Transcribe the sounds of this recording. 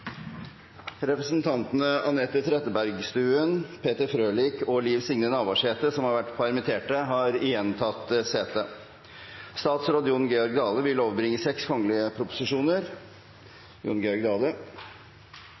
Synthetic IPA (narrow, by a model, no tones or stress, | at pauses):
ɾɛpɾəsnt̪ʰɑnt̪ənəɑʋnɛt̪ːət̪ʰɾɛt̪əbæɾɡst̪ʉːənpʰeːt̪əɾfɾøːlɪːkɔliːʋsɪŋnənɑːʋɑʂheːt̪əsɔmhɑɾʋæʈːpʰɑɾmɪt̪ʰeːʈəɦɑːɾɪjɛnt̪ʰɑt̪ːseːt̪ə | st̪ɑːt̪sɾoːd̪əjʊnɡɛɔɾɡ̚d̪ɑːləʋɪloːʋbɾɪŋːəsɛkskʰɔŋːəlɪəpʰɾʊpʊ̥sɪʂuːnəɾ | jʊ̰nɡɛɔɾɡd̪ɑːlə